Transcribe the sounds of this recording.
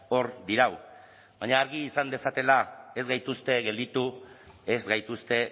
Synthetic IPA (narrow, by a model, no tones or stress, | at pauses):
o̞ɾd̪iɾaw | baɲaːɾɣiːsand̪e̞sat̪e̞lae̞zɡajt̪ust̪e̞ɣe̞ld̪it̪u | e̞zɣajt̪ust̪e̞